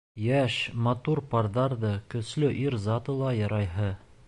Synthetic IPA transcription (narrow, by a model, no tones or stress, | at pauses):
jæʃmɐt̪uɾpɑrðɑɾðɤkɵ̆slɵʔiɾzɑt̪ɤ̆lˠɑjɑɾɑjɦɤ